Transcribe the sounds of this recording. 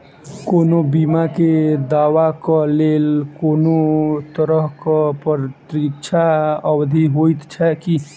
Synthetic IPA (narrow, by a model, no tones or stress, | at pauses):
koːnobimaked̪aʋakɔlelkoːnot̪əɾəɦkəpəɾt̪ɾikt͡ʃʰaəbd̪ʱiɦojt̪t͡ʃʰɛki